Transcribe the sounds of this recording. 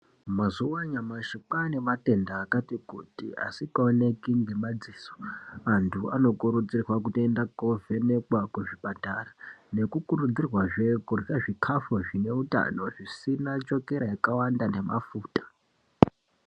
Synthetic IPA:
mazuwaɲamaʃipaniʋate̞ndaːkatikutḭa̰sikaone̞kiŋɡemad͡ziso̥antʰua̰no̞kuɾud͡zirwakutendakovʱe̞ne̞kwakweʐipatarane̞kukurud͡zirwaʐekurraʐikʰafoʐine̞uta̰no̞ʐisinat͡ʃo̞ke̞ɾajakawandane̞ma̰fuːtḁ

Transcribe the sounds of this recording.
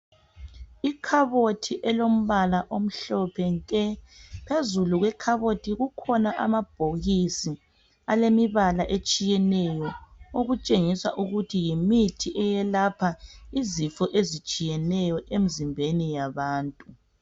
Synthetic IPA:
ikʰaβotʰiʔɛlom̩βalaʔom̩ɬɔpʰɛŋkʼɛpʰezuluɣwɛkʰaβotʰiɣukʰɔnaʔa̰mab̥ʱoɣisi | alemiβalaʔet͡ʃʼijɛnɛjɔoɣut͡ʃʼeŋisa̰ʔuɣutʰijimitʰiʔɛjɛlapʰaizifɔʔezit͡ʃʼijɛnɛjɔʔem̩zimbʱenijaβaːntʼu

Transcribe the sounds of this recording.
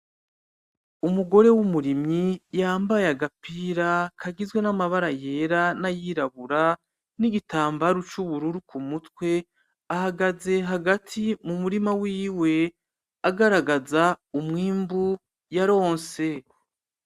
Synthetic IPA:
umuɡo̞ɾe̞wumuɾimɲijaːmbajeaɡapiːɾakʰaɡizɡwe̞namaβaɾaje̞ːɾanajiːɾaβuɾa | niɡitaːmbaɾut͡ʃuβuɾuɾukʰumutkwe̞ | ahaɡaze̞ɦaɡatʰimumuɾimawiːwe̞ | aɡaɾaɡazaumŋiːmbu | jaɾo̞ːnse̞

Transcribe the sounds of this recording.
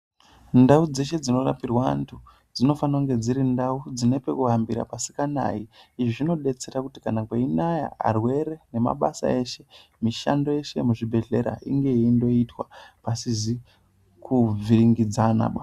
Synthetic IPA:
ndaud͡ze̞ʃe̞d͡zino̞ra̰pirwantʰu | d͡zino̞fanauŋɡe̞d͡ziɾindaud͡zinepe̞kuambiɾa̰pasi̥kana̰iiʐiʐino̞ɗe̞t͡se̞ɾakuti̥kanakweinaja̰a̰rwe̞ɾe̞ne̞ma̰ɓasa̰e̞ʃemiʃa̰ndo̞je̞ʃe̞muʐibʱe̞ɮe̞ɾa̰ḭŋɡe̞iindo̞itwa̰pasizi | kʰub͡vʱiɾiŋɡid͡zana̰ɓa

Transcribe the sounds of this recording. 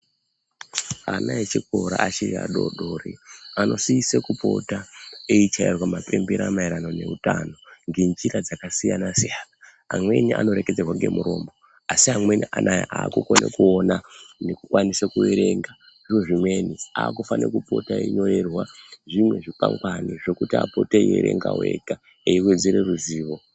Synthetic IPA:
anaet͡ʃiko̞ɾa̰ʔat͡ʃiraɗo̞̰ɗoɾiano̞siisekupo̞taeit͡ʃairwamape̞mbeɾamaiɾano̞ne̞̰utaːno̞ŋɡend͡ʒiɾad͡zakasijanasijaːna | amwe̞niʔa̰no̞ɾe̞ked͡zerwaŋɡe̞̰muɾo̞ːmbo | asiamwe̞niʔanajaʔaːkuko̞nḛkuo̞nanekukwanisekue̞ɾe̞ŋɡa | ʐiʐo̞ʐimwe̞niaːkufanḛkupo̞̰taḛiɲo̞ɾe̞rwaʐimwe̞ʐipa̰ŋkaniʐe̞kutia̰po̞tejeɾe̞̰ŋɡa̰we̞ka | eiwe̞d͡ze̞ɾe̞ruziːʋo̞

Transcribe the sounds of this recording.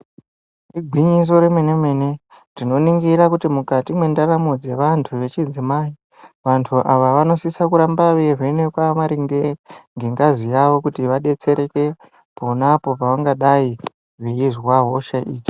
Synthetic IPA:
riɡʱwiɲis̬o̞ɾemwene̞me̞ːne̞ | tino̞niŋɡiɾakutimukatimwe̞ndaɾamud͡ze̞ʋantʰuʋe̞t͡ʃid͡zimaːi | ʋantʰuʔaʋaʋano̞sisakuɾambaʋeʐenekwamaɾiŋɡeŋɡe̞ŋɡazijaʋo̞kutiʋaɗe̞t͡se̞ɾe̞ke̞ | po̞napo̞paʋaŋɡaɗai | ʐiizwaɦoʃaʔiːt͡ʃi̥

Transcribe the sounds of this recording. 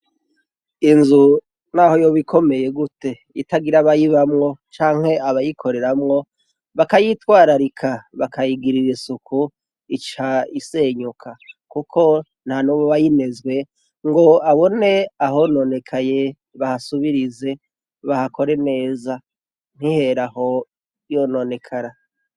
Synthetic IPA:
inzu | naho̞jo̞βikʰo̞me̞je̞ɡute̞ | itaɡiɾaβajiβamŋo̞t͡ʃaːŋ̥he̞aβajikʰo̞ɾe̞ɾamŋo̞ | βakajitwaːɾaɾikʰaβakʰajiɡiɾiɾesukʰu | it͡ʃaise̞ɲukʰakukʰo̞ | n̥hanuβoβajine̞zɡwe̞ | ŋɡo̞aβo̞ne̞aɦo̞no̞ne̞kʰaje̞ | βahasuβiɾize̞ | βahako̞ɾe̞ne̞ːza | n̥hihe̞ɾaho̞ | jo̞no̞ne̞kʰaɾa

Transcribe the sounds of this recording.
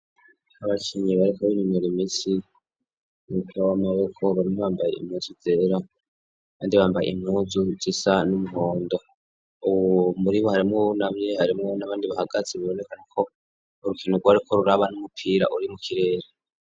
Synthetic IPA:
aβakiɲiβaɾikaβiniɲoɾimiːsi | nukawamaβekʰo̞βaɾimoβaːmbajḛḭmuːzud͡zeɾa | aβaːndiβaːmbajḛḭmuːzuzisanumuɦo̞ːndo̞ | uwomuɾiβohaɾimŋonamɲehaɾimŋonaβaːndiβahaɡat͡siβaβone̞kanakʰo̞ː | ɾukinuɡwaaɾikʰo̞ɾuɾaβanumupʰiːɾa̰ʔuɾimukiɾe̞ːɾe

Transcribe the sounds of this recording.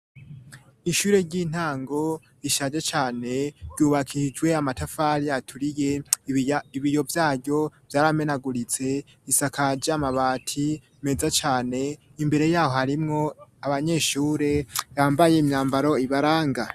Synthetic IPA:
iʃuːɾe̞ɾɟiːn̥aːŋɡo̞ | iʃad͡ʒet͡ʃaːne̞ɾɟuːβakʰid͡ʒwe̞amatafaɾijatʰuɾije̞ | iβijo̞vjaːɾɟo̞v̥jaːɾame̞naɡuɾit͡se̞ | isakad͡ʒamaβaːtʰi | me̞zat͡ʃaːne̞ | imbe̞ɾe̞jaːho̞haɾimŋo̞aβaɲe̞ːʃuːɾe̞jaːmbaje̞imɲaːmbaɾo̞iβaɾaːŋɡa

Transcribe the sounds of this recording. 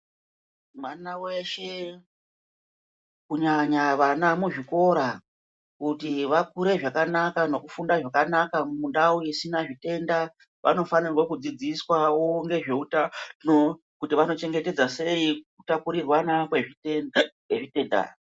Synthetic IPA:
mwanawe̞ʃe̞ | kuɲaɲaʋanamuʐiko̞ɾa | kutiʋakuɾe̞ʐakanakano̞kufundaʐakanakamundauisinaʐite̞nda | ʋʔa̰no̞fanirwakud͡zid͡ziswawo̞ŋɡe̞ʐe̞utano | kutiʋano̞t͡ʃe̞ŋɡe̞te̞d͡zase̞ikutapuɾirwanakweikweʐite̞ːnda̰

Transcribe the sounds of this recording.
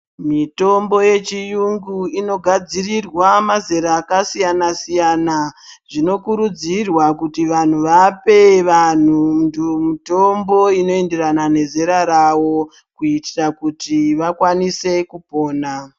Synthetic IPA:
mito̞mbo̞je̞t͡ʃijuŋɡuino̞ɡʱad͡zirirwamazeɾaːkasijanasijanaʐino̞kuɾud͡zirwakutiʋan̤uʋape̞ʋan̤undumito̞mbo̞ino̞e̞nde̞ranane̞zeɾaɾawo̞ | kuitirakutiʋakwanise̞kupo̞ːna

